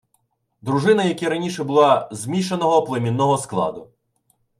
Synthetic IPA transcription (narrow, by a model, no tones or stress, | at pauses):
d̪ɾʊʒɪnɐjɐkʲiɾɐnʲiʃɛbʊlˠɑzmʲiʃɐnɔɦɔplˠemʲinːɔɦɔsklˠɑ̰d̪ʊ